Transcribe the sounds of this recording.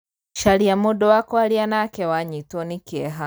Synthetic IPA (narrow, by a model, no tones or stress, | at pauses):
ʃaliamɔɗɔwakɔalianaːkɛwaɲitɔnikiɛɦa